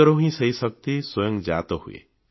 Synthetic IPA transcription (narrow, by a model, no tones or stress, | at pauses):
ɔɾɔɦĩsəjsɔk̚t̪iswɔjɔŋd͡ʒa̰t̪ɔhṵḛ